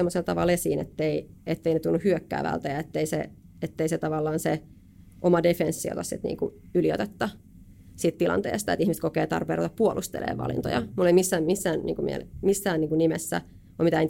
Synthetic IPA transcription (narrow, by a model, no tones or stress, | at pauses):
emːoselt̪ɑʋɑlesiːnḛt̪ːeiet̪ːeinet̪ulnːuhyøkːæ̰ːʋæ̰lt̪æjɑet̪ːeisḛ | et̪ːeiset̪ɑʋɑlːɑːnse | ʔomɑdefensːio̰t̪ɑssit̪nḭːŋkuylio̰t̪et̪ːɑ | sit̪t̪ilɑ̰nt̪ḛːst̪ɑet̪ihmist̪kokeːt̪ɑ̰rpeːrot̪ɑppuolʔust̪ḛlḛːʋɑ̰lḭnt̪o̰jɑmulːeimisːæːmmisːæːnnḭːŋkumḭḛlmisːæːnniːŋkunimesːæ̰ | omit̪æin